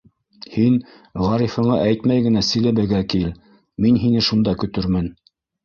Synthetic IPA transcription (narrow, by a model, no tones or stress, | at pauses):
hin | ʁɑɾifɤ̆ɴɑʔæjt̪mæjɡɘ̆næsɘ̆jlæβɘ̆ɡækil | minɦinɘʃund̪ɑkɵ̆t̪ɵɾmɘn